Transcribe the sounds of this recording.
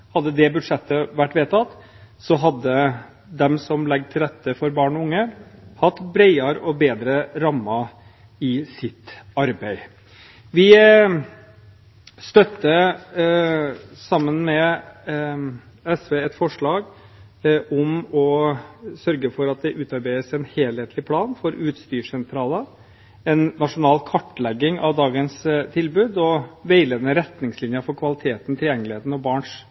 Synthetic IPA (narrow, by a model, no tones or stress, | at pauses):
hɑd̪ːəd̪ɛbʉʂɛt̪ːəʋæʈːʋeːt̪ʰɑt̪ | sɔɦɑd̪ːə | d̪ɛmsɔmlɛɡt̪ʰɪlɾɛt̪ːəfɔɾbɑːɳɔʊŋːəhɑt̪ːbɾæɪɑɾəʔɔbeːd̪ɾəɾɑmːɑ | ɪsɪt̪ɑɾbæɪ | ʋɪ | st̪œt̪ːə | sɑmːənmɛ | ɛsʋeːɛt̪fɔʂɭɑːɡ | ʔɔmɔ | sœɾɡəfɔɾɑt̪̚d̪ɛʔʉːt̪ɑɾbæɪəsɛnheːlheːt̪ʰlɪpʰlɑːnfɔɾʉːt̪st̪yːʂɛnt̪ʰɾɑːlə | ɛnːɑʂʊnɑːlkʰɑʈːlɛɡːɪŋʔɑ̰ʋd̪ɑːɡənst̪ʰɪlbʉːd̪ɔʋeɪleːd̪nəɾɛt̪nɪŋslɪnjəfɔɾkʰʋɑlɪt̪ʰeːt̪n̩t̪ʰɪljɛŋːəlɪheːt̪n̩ɔbɑːɳʂ